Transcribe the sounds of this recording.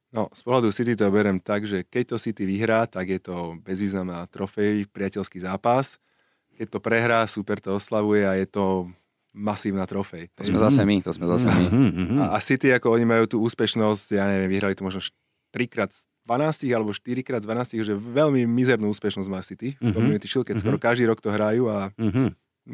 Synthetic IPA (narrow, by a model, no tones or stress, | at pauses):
nɔspɔɦlad̪usit̪̬it̪̬ɔbɛɾɛmt̪aɡʒɛkɛc̚t̪ɔsit̪iʋiɦɾaːt̪aɡjɛt̪ɔbɛzʋiːznamnaːt̪ɾɔfɛjpɾɪacɛʎskiːzaːpas | kɛc̚t̪ɔpɾɛɦɾaːsupɛɾt̪ɔɔslaʋujɛajɛt̪ɔ | masiːʊnat̪ɾɔfɛjt̪ɔsmɛzasɛmit̪ɔsmɛzasɛmiasit̪iakɔɔɲimajuːt̪uːuːspɛʃnɔscjaːɲɛʋɛmʋiɦɾalit̪ɔmɔʒnɔʃ | t̪ɾikɾaːd̪ | d̪̥ʋanaːsciɣalɛbɔʃt̪iɾikɾaːd̪d̪ʋanaːsciɦʒɛʋɛlmimizɛɾnuːuːspɛʃnɔzɟmaːsit̪iɔmimɛt̪iʃilkɛskɔɾɔkaʒd̪iːɾɔkt̪ɔɦɾajuːa